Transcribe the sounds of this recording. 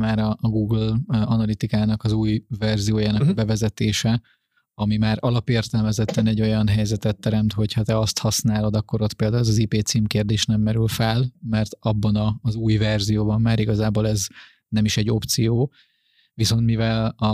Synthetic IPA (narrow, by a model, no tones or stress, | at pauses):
maːɾɒːɡuːɡlɒnɒlit̪ikaːnɒkɒzuːjvɛrzijoːjaːnɒkɒbɛvɛzɛt̪eːʃɛ | ɒmimaːɾɒlɒpeːrt̪ɛlmɛzɛt̪ːɛnɛɟːo̞jɒnɦɛjzɛt̪ɛt̪ːɛɾɛmt̪ho̞chɒt̪ɛɒst̪hɒsnaːlo̞d̪ɒkːo̞ɾo̞t̪peːld̪aːulɛzɒzipeːt̪siːmkeːrd̪eːʃnɛmːɛɾylfɛlmɛrt̪ɒbːɒnɒːzuːjvɛrzijoːbɒmːaːɾiɡɒzaːboːlɛz | nɛmiʃɛɟːo̞pt̪sijoː | viso̞nt̪mivɛlɒ